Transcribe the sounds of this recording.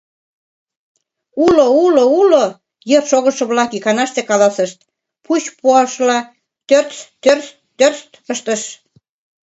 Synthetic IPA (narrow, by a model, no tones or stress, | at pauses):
ulouloulo | jərʃoɣə̆ʃɤ̆βlɑkikɑnɑʃt̪ekɑlɑsə̆ʃt̪̚ | pʰut͡ɕpuɑʃlɑ | t̪ørt͡st̪ːørst̪ːørst̪əʃt̪ə̆ʃ